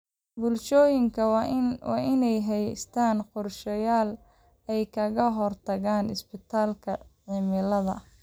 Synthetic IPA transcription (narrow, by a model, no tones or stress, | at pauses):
bʊlʃɔːjɪŋkʰɐwɑ̰ːʔɪnɛjɦɛjst̪ʰaːnqʊrʃɔjaːl | ɛjkʰɐɣɐɦɔrt̪ʰɐɣaːnɪsbɪt̪ʰaːlkʰɐʕɪmɪlɐðɐ̰